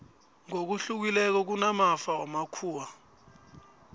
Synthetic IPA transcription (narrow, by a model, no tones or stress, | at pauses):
ŋok̬uɬuk̬ilɛk̬ɔk̬unamafaamakʰuːwa